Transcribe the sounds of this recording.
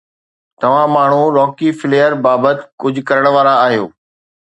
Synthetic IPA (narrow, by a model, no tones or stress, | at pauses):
t̪ɐʋ̤ãmaːɳ̤ũɾɔːkifɪleːəɾbaːbət̪ɪ̥kʊd͡ʑʱʊ̆kɐɾəɽ̃ʋaːɾaːɦijo̰ː